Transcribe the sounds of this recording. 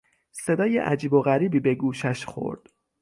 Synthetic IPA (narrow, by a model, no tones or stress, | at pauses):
se̞d̪ɒːjḛʔæ̰d͡ʒiːbo̞ɣæɾiːbiːbeɡuːʃæʃxo̞̰ɾd̪̥